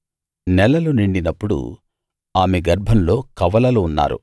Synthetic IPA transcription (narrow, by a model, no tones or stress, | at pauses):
nɛlɐluniɳɖinɐpːuɽṵ | aːmeɡɐɾbʱɐmlo̞ːkɐʋɐlɐluːnːa̰ːɾṵ